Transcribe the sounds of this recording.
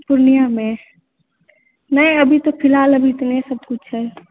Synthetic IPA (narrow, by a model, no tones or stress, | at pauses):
pʊɾnijamẽ | nəjəbʱit̪opʰɪlaːləbʱit̪nesəb̚kʊt͡ʃʰɦɛː